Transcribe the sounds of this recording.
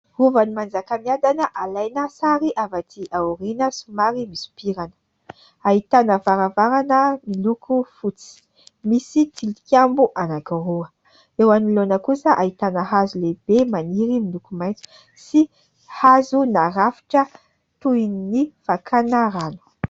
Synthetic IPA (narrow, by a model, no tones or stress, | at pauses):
ruvanimand͡zakamiad̪anəʔalajnəsaɾiʔavat̪ʰiʔauɾinəsumaɾimisu̥piɾanə̥ | aɦit̪anəvaɾavaɾanəmilukʰufut͡si̥ | misit̪ʰilikambuʔanakaɾuə | ewanilonəkusəʔaɦit̪anəɦazuleb̥emaniɾimilukumajnt͡si̥ | si | hazunaɾafi̥ʈ͡ʂə | t̪uininifakʰanaɾanu̥